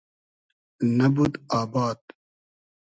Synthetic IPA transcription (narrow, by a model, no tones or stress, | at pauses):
nɐbud̪aːbaːd̪